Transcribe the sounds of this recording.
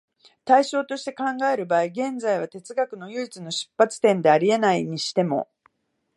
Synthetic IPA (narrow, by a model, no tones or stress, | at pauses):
t̪aiɕo̞ːt̪o̞ɕi̥t̪e̞kãŋɡae̞ɾɯ̟baːiɡẽ̞nd͡zaiβ̞at̪e̞t͡sɨɡakɯ̟no̞jɯ̟it͡sɨno̞ɕi̥pːat͡sɨ̥t̪ẽ̞nd̪e̞aɾʲie̞naiɲ̟iɕi̥t̪e̞mo̞̰